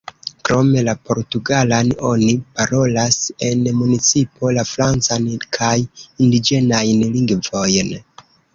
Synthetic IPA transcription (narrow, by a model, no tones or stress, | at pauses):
kɾo̞me̞lapo̞ɾtuɡalano̞nipaɾo̞lase̞nmunit͡sipʰo̞lafɾant͡sankʰajindid͡ʒe̞najnliŋɡvo̞jn